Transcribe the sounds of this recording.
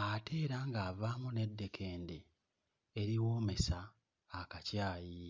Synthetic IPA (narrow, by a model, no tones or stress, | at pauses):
ate̞ːɾaŋɡaːvaːmune̞dːe̞kʰe̞ːndeː | ɾiwoːme̞saː | kacaːji